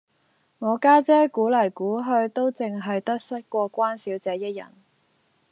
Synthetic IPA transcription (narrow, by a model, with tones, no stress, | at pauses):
ŋɔː˨˧kaː˥t͡sɛː˥kuː˨˥lɐ˨˩jkuː˨˥ɦɵ˧ɥt̪o˥wt͡sɪ˨ŋɦɐ˨jt̪ɐ˥k̚sɐ˥t̚kʷɔː˧kʷaː˥nsiː˨˥wt͡sɛː˨˧˥jɐ˥t̚jɐ̰˨˩n